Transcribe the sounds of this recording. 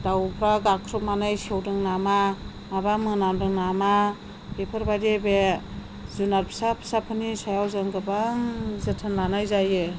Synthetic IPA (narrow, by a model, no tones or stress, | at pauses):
d̥awpʰɾaɡakʰɾup̚manajsiewdɯŋnama | mabamɯnamdɯŋnama | b̥epʰɯɾbadebe | zunaɾpʰi̥sapʰə̥sapʰɯnisajawzɯŋɡɯbaŋzɯtʰɯnlanajzaje